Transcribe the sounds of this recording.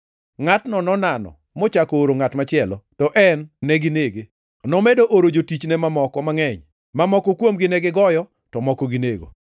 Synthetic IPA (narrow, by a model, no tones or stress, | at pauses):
ŋatnɔnɔnanɔ̰ | mot͡ʃakɔoɾoŋatmat͡ʃɪɛlɔtɔʔɛnːɛɡɪneɡe | nɔmedoʔoɾod͡ʒotit͡ʃnɛmamɔkɔmaŋɛɲ | mamɔkɔkwomɡɪnɛɡɪɡɔjɔ | tɔmɔkɔɡineɡo̰